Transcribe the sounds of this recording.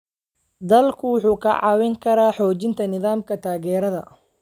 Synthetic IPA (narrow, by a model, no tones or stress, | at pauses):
d̪ɐlkʰʊwʊħuːkʰɐ̰ʕɑ̰ːwɛŋkʰɐɾaːħɔːt͡ʃɪnt̪ʰɐnɪðaːmkʰɐt̪ʰaːɣɛːɾɐðɐ̰